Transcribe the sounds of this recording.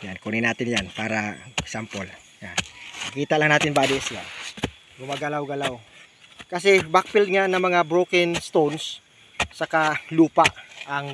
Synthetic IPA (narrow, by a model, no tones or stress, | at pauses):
jankunɪnaːt̪ɪnjanpaːɾasampol | ja̰nɐkiːt̪aʔlaŋnaːt̪ɪnbaːd̪ɪʔsja̰ | ɡʊmaɡalawɡalaw | kɐs̬ɛbak̚pɪld̪̚ŋanɐŋmɐŋabɾokɪnst̪onsː | ɐkaluːpaʔaŋ